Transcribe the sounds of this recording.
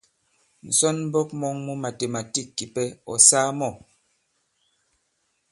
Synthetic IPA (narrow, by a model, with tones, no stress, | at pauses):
n̩˨sɔ˦nm˦bɔ˦k̚mɔ˦ŋmu˦ma˨te˨ma˨ti˦˨kːi˨pɛ˦ɔ̰˨saː˦mɔ˦˨